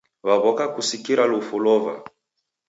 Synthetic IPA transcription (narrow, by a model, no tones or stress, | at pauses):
βaβɔkakusikiɾalufulɔva̰